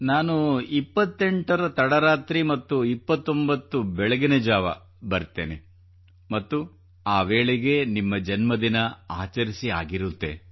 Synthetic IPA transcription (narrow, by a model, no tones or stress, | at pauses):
naːnuipːɐt̪ːeɳʈɐɾɐt̪ɐɽɐɾaːt̪ɾimɐt̪ːuipːɐt̪ːo̞mbɐt̪ːubɛɭɐɡined͡ʒaːʋɐ̰ | bɐɾt̪ːḛːne | mɐt̪ːu | aːʋeːɭeɡe̞nimːɐd͡ʒɐnmɐd̪inɐaːt͡ʃɐɾisia̰ːɡiɾut̪ːḛ